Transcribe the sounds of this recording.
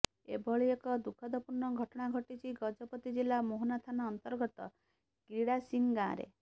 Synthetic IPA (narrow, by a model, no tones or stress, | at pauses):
ebʱɔɭiekɔd̪ukʰːɔd̪ɔpuɾnːɔɡʱɔʈɔɽ̃aɡʱɔʈit͡ʃʰiɡɔd͡ʒɔpɔt̪id͡ʒilamoɦɔnat̪ʰanɔːnt̪ɔɾɡɔt̪ɔ | ɡ̥iɽasiŋɡã̰ɾḛ